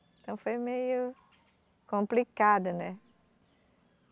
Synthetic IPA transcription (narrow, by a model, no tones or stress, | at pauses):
ẽt̪ɐ̃w̃fojmejʊ | kõmplikad̪ʊnɛ